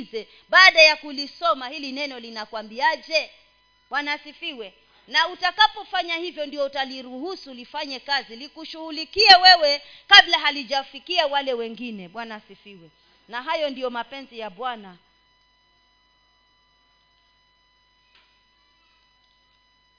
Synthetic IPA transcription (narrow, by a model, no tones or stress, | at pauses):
zɛ | ɓaːɗajakulisɔmahilinɛnɔlinakwambiaʄɛ | ɓwanasifiwɛ | nautakapɔfaɲahivjɔndiɔutaliɾuhusulifaɲɛkazilikuʃuhulikiɛwɛwɛkablaɦaliʄafikiawalɛwɛŋɡinɛɓwanasifiwɛ | naɦajɔndijɔmapɛnzijaɓwana